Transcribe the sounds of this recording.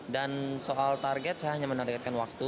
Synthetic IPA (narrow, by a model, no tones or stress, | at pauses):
dansoʔalt̪arɡɛt̪̚sajaɦaɲamənarɡɛt̪̚kanwak̚t̪u